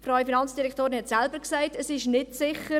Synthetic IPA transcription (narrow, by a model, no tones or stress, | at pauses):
fraʊifinɑnt͡sd̥iɾɛktoːɾɪnhɛtsɛlbəɾksaɪtəsɪʃnɪtsɪχə